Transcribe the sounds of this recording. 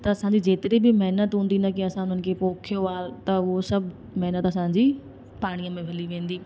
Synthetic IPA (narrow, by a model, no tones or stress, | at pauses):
t̪ɐɐsãɲd͡ʑid͡ʑeːt̪ɪɾebɪmɐɦnət̪ɦũːn̆d̪inɐkiɐsãʊn̤ən̆kʰepoːkʰijoaːɦet̪ɐʊɦosɐbʱ | mɐɦnət̪ɐsãɲd͡ʑiː | paːɽ̃ijəmẽbʱɐliʋẽːn̆d̪iː